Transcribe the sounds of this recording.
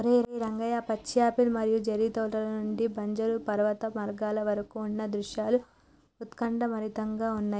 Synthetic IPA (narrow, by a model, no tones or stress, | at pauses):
ɾeɾɾɐŋɡɐjaːpɐt͡ʃːjaːpilumɐɾijud͡ʒɐɾiːt̪ɐːʈɐlɐnuɳɖibʱɐɲd͡ʒɐɾupɐɾɐʋɐt̪ɐmɐɾɡaːlɐʋɐɾɐkuːnːɐd̪ɾuʃjaːlu | ut̪kɐɳɖɐmɐɾit̪ɐŋɡaːunːaː